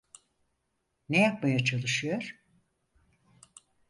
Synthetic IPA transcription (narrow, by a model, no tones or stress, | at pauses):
nejapmajat͡ʃʰalˠɯʃɯjo̞ɾ̥